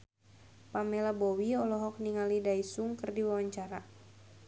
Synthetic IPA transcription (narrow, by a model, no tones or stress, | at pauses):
pamɛlabɔwiɔlɔɦɔk̚niŋalidaisuŋkɨrdiwawaɲt͡ʃaɾa